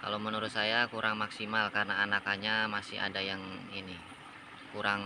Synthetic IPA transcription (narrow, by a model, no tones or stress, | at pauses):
ka̰lomənuɾʊt̪̚sajakuɾʔaŋmaksimalkarnaːnakaɲamasɪ̰a̰dajaŋini | kuɾaŋ